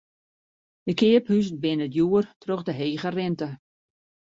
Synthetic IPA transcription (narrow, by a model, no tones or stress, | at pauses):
dəkɪːəphysd̚bɪnədjuərtroxdəɦeːɣərɪntə